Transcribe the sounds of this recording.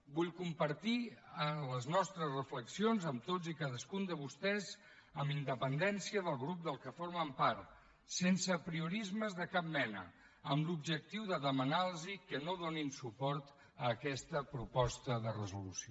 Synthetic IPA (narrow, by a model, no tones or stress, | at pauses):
buʎkumpəɾt̪iələznɔst̪ɾəzrəfləksionzəmt̪od͡zikaðəskund̪əβust̪ɛz | əmbind̪əpənd̪ɛnsiəðəlˠɣɾup̚d̪əlˠkəfoɾməmpaɾt̪ | sensəpɾiuɾizməzðəkap̚mɛnə̰ | əmlubʒək̚t̪iwðəðəmənalˠzikənoðoninsupɔɾt̪ | əːkɛst̪əpɾupɔst̪əðərəzulusio